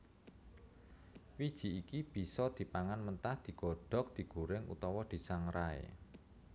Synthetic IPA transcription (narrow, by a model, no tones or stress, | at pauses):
wid̥ʒ̥i̤ikib̥i̤sɔd̪̥i̤paŋanmənt̪ahd̪̥i̤ɡ̥ɔ̤ɖ̥ɔ̤k̚d̪̥i̤ɡ̥ṳɾɪŋṵt̪ɔwɔd̪̥i̤saŋɾaḛ